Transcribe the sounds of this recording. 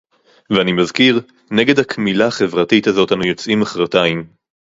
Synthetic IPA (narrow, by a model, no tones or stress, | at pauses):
veanimazkiʁ | ne̞ɡe̞dhakʰmilaχe̞vʁatitazo̞tanujo̞t͡simaχʁataim